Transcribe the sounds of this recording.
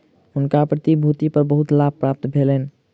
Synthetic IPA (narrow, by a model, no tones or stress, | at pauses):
ɦʊnkapɾət̪ibʱut̪ipəɾbəɦut̪lab̚ʱpɾap̚t̪bʱelen